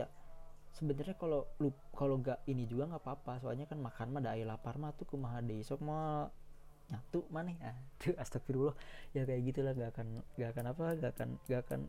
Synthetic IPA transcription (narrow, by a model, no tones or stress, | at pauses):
asəbənarɲakalolukaloŋɡaʔinid͡ʒuɡaŋɡapaːpasoa̰ɲakanmakanmahdaːjalaparmaht̪ukumaɦadeisɔk̚ma | ɲat̪uʔmanɛhat̪ʰuast̪ak̚fiɾulɔhjakajaɡit̪ulahŋɡakanɡakanapaɡaka̰nɡaka̰n